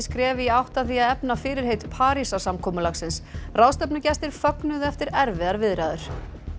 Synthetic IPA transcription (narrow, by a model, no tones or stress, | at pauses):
skɾɛːviawht̪aθiaðɛpnafɪːɾɪɾ̥ɦejt̪pʰaːɾisasamkʰɔːmʏlaksɪnsrawst̪ɛpnʏcɛst̪ɪɾ̥fœknʏðʏɛft̪ɪɾɛɾvɪðaɾvɪðɾaːðʏɾ̥